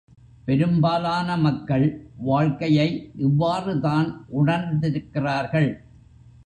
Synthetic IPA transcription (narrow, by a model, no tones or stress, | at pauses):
pɛɾɯmbaːlaːnɐmɐkːɐɭʋaːɻkɐjɐɪʔɪʋːaːrɯðaːnʔʊɳɐɾd̪ɪɾɯkːɪraːɾɣɐɭ